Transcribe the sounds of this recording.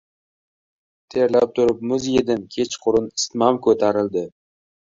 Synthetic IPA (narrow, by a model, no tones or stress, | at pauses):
t̪ʰe̞ɾlap̚t̪ʰʊɾɪp̚mʊzjed̪ɪnkʲʰe̞t͡ʃqʰʊɾʊnɪ̥st̪mamkʰɵt̪ʰaɾɪld̪ɪ